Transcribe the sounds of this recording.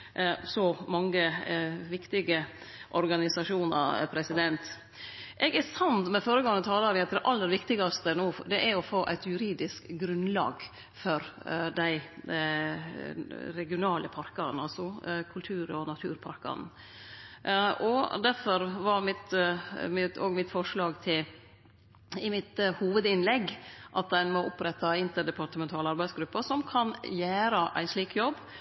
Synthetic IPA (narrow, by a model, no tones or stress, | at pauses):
sɔmɑŋːəʋɪkt̪ɪɡə | ʔɔɾɡɑnɪsɑʂuːnɑ̰ɾ̰pʰɾɛsɪd̪ɛnt̪ | ʔɛɡæsɑnt̪mɛfoːɾəɡɑŋːət̪ʰɑːlɑɾʋɪɑt̪d̪ɛʔɑlːəɾʋɪkt̪ɪɡɑst̪ənoːd̪ɛʔæɾɔfoːʔæɪt̪jʉɾiːd̪ɪskɡɾʉnlɑ̰ːɡ | fɔɾd̪æɪ | ɾɛɡɪʊnɑːlʔəpʰɑɾkɑnɑlsɔkʰʉlt̪ʰʉːɾɔnɑt̪ʰʉ̰ːɾpʰɑɾkɑ̰n | ʔɔd̪æɾfɔɾʋɑɾmɪt̪mɪt̪oːɡmɪt̪fɔʂɭɑːɡt̪ʰɪl | ɪmɪt̪huːʋəd̪ɪnlɛɡːʔɑt̪̚d̪ænmɔʔɔpɾɛt̪ːɑɪnt̪əɖɛpɑɾʈ̪əmɛnt̪ʰɑːləɑɾbæɪsɡɾʉpːəsɔmkʰɑnjæːɾəʔæ̰ɪsliːkjɔbː